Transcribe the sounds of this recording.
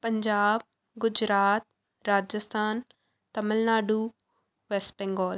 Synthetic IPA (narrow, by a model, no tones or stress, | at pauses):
pɐɲd͡ʒaːb̚ | ɡʊd͡ʒɾaːt̪̚ | ɾaːd͡ʒəst̪ʰaːn | t̪ɐməlnaːɖuː | ʋeːspɛ̃ŋɡɔːl